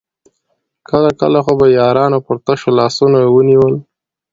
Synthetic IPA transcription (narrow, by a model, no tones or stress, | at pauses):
kəlakəlaxobajɑɾɑnopəɾt̪aʃolɑsunawəniwəl